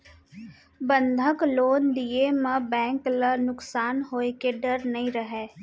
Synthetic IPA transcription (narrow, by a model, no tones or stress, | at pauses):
bə̃nd̪ʱəkloːnd̪iemə̃bɛ̃ːŋklənʊksaːnɦoːekeɖəɾnɐɦĩɾəɦeː